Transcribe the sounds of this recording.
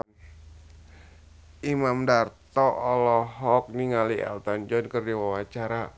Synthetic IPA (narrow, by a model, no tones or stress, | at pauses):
imamdart̪ɔʔɔlɔɦɔk̚niŋaliɛ̰lt̪and͡ʒɔnkərdiwawat͡ʃaɾa